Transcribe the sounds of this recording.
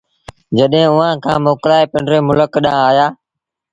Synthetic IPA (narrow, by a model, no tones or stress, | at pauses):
d͡ʒəɗɦẽːʊʋãːkʰãːmoːkɾaːeːpəɳɖɾeːmʊləkɗãːaːjaː